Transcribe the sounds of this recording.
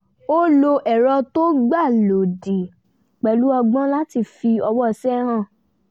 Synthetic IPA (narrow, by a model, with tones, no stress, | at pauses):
o˦lo˧ʔɛ˨ɾɔ˧to˦ɡ͡ba˦˨lo˨di˨ | k͡pɛ˨lu˨˦ɔ˧ɡ͡bã˦la˦ti˧fi˧ɔ˧wɔ˦˨sɛ˦hã˦˨